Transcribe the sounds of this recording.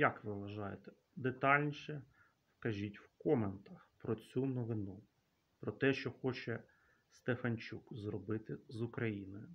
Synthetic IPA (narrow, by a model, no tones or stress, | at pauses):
jɐkʋɪʋɐʒɑjet̪ɛ̥ | d̪et̪ɑlʲnʲiʃɛ | skɐʒʲitʲwkɔment̪ɐxpɾɔt͡sʲunɔʋɪnu | pɾɔt̪ɛʃt͡ʃɔxɔt͡ʃɛ | st̪efɐnʲt͡ʃukzrɔbɪt̪ɪzukɾɐjinɪj